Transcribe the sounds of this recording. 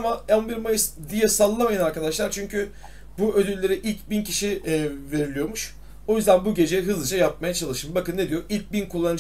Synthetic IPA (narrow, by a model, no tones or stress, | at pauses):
maɛlbiɾmajɯsd̪ijɛsalˠɯːamajanaɾkad̪aʃlˠaɾt͡ʃʰyɲcʰy | buød̪ylʲːe̞ɾiʔilʲcbincʰiʃive̞ɾilʲijo̞ɾmuʃ | o̞jyzd̪ænbuɟe̞d͡ʒeɦɯzlˠɯd͡ʒajap̚majat͡ʃʰalˠɯʃɯmbakɯnːe̞d̪ijo̞ʔilʲc̚binkʰulˠːanɯd͡ʒ